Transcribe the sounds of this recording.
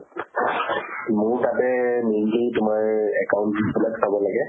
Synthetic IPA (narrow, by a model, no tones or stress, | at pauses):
mʊɹtatɛmenlitʊmaɹɛkaʊntisʰɔlaksʰabɔlaɡɛ